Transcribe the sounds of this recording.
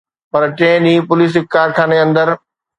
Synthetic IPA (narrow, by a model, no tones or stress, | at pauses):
pɐɾʈẽːɗ̪ĩːpʊliːs̬ɪkːaːɾʈʰãːneɐ̃nd̪əɾ